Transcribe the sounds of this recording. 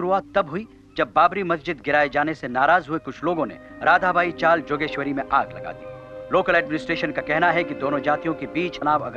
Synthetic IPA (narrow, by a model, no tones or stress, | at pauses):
ɾuaːt̪t̪ɐbɦʊi | d͡ʒɐbːaːbɾimɐsd͡ʒɪd̪ɡɪɾaːed͡ʒaːnesenaːɾaːzɦuekʊt͡ʃʰloːɡõnḛ | ɾaːd̪ʱabʱaːit͡ʃaːld͡ʒoːɡeːʃʋəɾimẽʔaːɡlɐ̰ɡa̰ːd̪ḭː | loːkəlɛːɖmɪnɪsʈɾeːʃənkakɛɦnaɦɛkid̪oːnõd͡ʒaːt̪ijõkibiːt͡ʃɐnaːʋɐ̰ɡ